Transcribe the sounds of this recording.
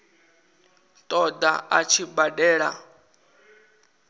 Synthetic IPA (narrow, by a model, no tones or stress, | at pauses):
t̪ʼɔd̪a̰ʔat͡ʃʰibadɛːɺa